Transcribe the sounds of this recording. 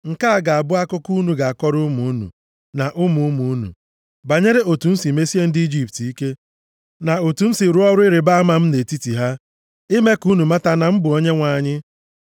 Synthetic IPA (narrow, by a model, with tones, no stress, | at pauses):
ŋ̩˨ka˦a˨ɡa˨a˨bʊ˦a˦kʊ˦ku˦nu˨ɡa˨a˨kɔ˦ɾʊ˦mu˨u˦nṵ˨ | na˨ʔʊ˦mu˨˦mu˨u˦nṵ˨ | ba˨ɲe˦ɾe˦ʔo˨tu˨n̩˦si˨me˦si˦e˦n̩˦di˦d͡ʒi˦pti˦ke˦ | na˨o˨tu˨n̩˦si˨ɾu˦ɔ˦ɾʊ˦ɪ˦ɾe˨ba˦a˦ma˨m̩˦ne˨ti˦ti˨ɦa˦ | ɪ˦me˦ku˦nu˨ma˦ta˦na˨m̩˦bʊ˨o˦ɲe˦ŋʷa˨ɲɪ˦